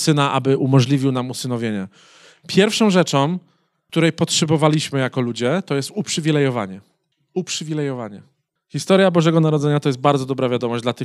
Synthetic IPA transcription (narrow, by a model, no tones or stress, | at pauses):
sɘnaʔa̰bɘʔumɔʐlʲivʲiwnamusɘnɔvʲjeɲɛ | pʰʲjɛɾfʂɔ̃w̃ʐɛt͡ʂɔ̃w | k̚t̪uɾɛjpɔtʂɛbɔvalʲiɕmɘjakɔlud͡ʑɛt̪ɔjɛst̪upʂɘvʲilɛjɔva̰ɲɛ | upʂɘvʲilɛjɔvaɲɛ | xʲist̪ɔɾjabɔʐɛɡɔnaɾɔd̪ɛɲat̪ɔjɛsd̪̚baɾd̪zɔd̪ɔbɾavʲjad̪ɔmɔʑd͡ʑd̪lat̪ɘ